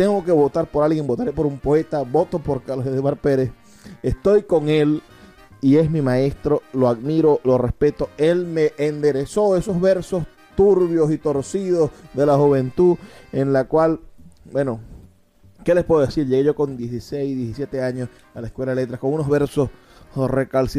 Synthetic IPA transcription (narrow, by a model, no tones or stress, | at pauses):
t̪eŋɡo̞ke̞βo̞t̪aɾpo̞ɾalɣje̞ŋbot̪aɾepo̞ɾumpo̞e̞t̪aβo̞t̪o̞po̞ɾkaloseðwaɾpe̞ɾe̞s | est̪o̞jko̞ŋe̞l | ie̞smimae̞st̪ɾo̞loaðmiɾo̞lo̞re̞spe̞t̪o̞e̞lme̞ʔːnd̪e̞ɾe̞so̞e̞so̞zβe̞ɾso̞s | t̪uɾβjo̞sit̪o̞ɾsiðo̞sðe̞laxuβe̞nt̪uenlakwalbwe̞no | ke̞le̞spwe̞ðoesiɾʝe̞ɣeʝo̞ko̞nd̪jesisejzðjesisje̞t̪e̞aɲos | alaeskwelaðele̞t̪ɾako̞ŋuno̞zβe̞ɾso̞s | rekalsi